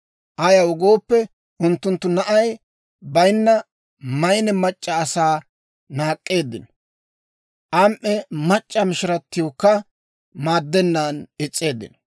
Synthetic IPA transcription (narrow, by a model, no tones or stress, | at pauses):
ʔɐjɐwʊɡo̞ːpːɛ | ʔʊnt̪ːʊnt̪ːʊnɐʔɐj | bɐjnːɐ | mɐjnɛmɐt͡ʃʼːɐːsaː | naːkʼːe̞ːd̪ːɪn | ʔɐmʔːɛmɐt͡ʃʼːɐmɪʃɪɾɐt̪ːɪjokːɐ | maːd̪ːɛnːaːnɛt͡sʼːe̞ːd̪ːɪ̰n